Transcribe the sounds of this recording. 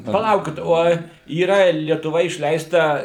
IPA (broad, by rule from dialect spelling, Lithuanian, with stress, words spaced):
pɐˈlˠɐʊkʲɪt ˈoːj iːˈrɐ lʲiɛtʊˈʋɐ ɪʃʲˈlʲɛɪstɐ